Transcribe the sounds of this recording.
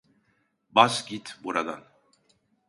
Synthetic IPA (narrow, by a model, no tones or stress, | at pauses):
basɟit̪buɾad̪a̰n